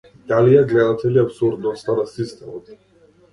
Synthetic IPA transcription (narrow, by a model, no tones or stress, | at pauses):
d̪alijɛɡlɛd̪at̪ʰɛliapsuɾd̪nɔst̪anasist̪ɛmɔt̪